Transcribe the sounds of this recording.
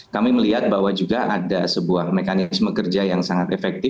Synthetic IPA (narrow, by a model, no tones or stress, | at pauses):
kamiməliɦat̪̚baɦwad͡ʒuɡaʔadasəbuahmekanɪsməkərd͡ʒajaŋsaŋat̪ɛfɛk̚t̪ɪ